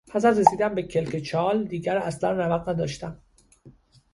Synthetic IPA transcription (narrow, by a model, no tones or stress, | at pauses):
hæs̬æd̪resiːd̪æmbecʰe̞lcet͡ʃʰɒːld̪iːɟæɾæslænrævæɣnæd̪ɒ̰ːʃt̪æm